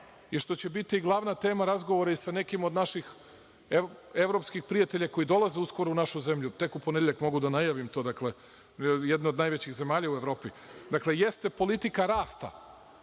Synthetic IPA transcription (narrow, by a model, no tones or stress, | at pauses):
jiʃt̪o̞t͡ɕebit̪iːɡlˠaʋnat̪e̞ːmaɾazɡo̞ʋoɾaisane̞kimod̪naʃix | eʋɾo̞pskixpɾijat̪e̞ʎako̞id̪o̞lˠazeusko̞ɾuunaʃuze̞mʎut̪e̞kupond̪jeʎakmo̞ɡud̪anajaʋimt̪o̞d̪akle̞ | jed̪neod̪najʋe̞t͡ɕiɣze̞maːʎaue̞ʋɾo̞ːpi | d̪akle̞je̞st̪e̞po̞lit̪ikaɾaːst̪a̰